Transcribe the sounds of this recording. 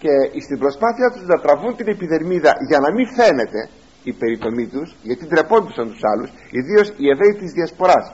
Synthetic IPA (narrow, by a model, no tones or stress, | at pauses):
ce̞ist̪imbɾo̞spɐθiɐt̪uznɐt̪ɾɐvunt̪ine̞piðe̞ɾmiðɐʝɐnɐmife̞ne̞t̪e̞ | ipe̞ɾit̪o̞mit̪usʝɐt̪id̪ɾe̞po̞nd̪usɐnt̪u̥sɐlusiðio̞sie̞vɾeit̪izðiɐspo̞ɾɐs